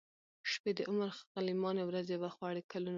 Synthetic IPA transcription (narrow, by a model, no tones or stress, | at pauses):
ʃped̪əʔʊməɾxalimɑnewɾazebaxwɑɽekalun